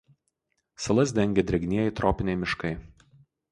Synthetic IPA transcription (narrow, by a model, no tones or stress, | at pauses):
sɐlˠɐsd̪ʲɛŋʲɡʲɛd̪ʲɾʲɛɡʲnʲiɛjɛɪt̪ɾɔːpʲɪnʲɛɪmʲɪʃkɐɪ